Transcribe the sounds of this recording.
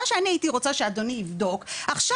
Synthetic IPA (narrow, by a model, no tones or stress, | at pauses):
aʃeaniaitiʁo̞t͡saʃeadoniːvdo̞kaχʃa